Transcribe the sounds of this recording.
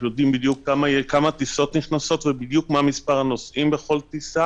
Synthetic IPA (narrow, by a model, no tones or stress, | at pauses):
jo̞d̪imbid̪jukːamakamat̪iso̞t̪niχnaso̞t̪vebid̪jukmamispaʁanosʔimbeχo̞lt̪isa